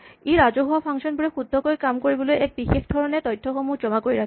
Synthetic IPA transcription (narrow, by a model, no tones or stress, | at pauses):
eɹazoɦowapʰaŋsɔnbuɹɛxud̪ʱːɔkojkamkoɹibɔlojɛk̚bixexdʱɔɹɔnɛtɔjtʰːɔxomud͡ʒɔmakojɹa